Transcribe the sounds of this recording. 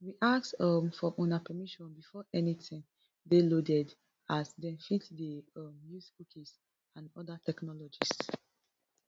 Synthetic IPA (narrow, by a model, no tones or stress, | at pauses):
wiʔaksɔmfɹɔʔɔ̃napɛmiʃɔ̃nbifɔʔɛnitĩŋ | delodɛd | asdɛ̃nfitdeɔmjusbukis | ãnɔ̰datɛknɔlɔd͡ʒis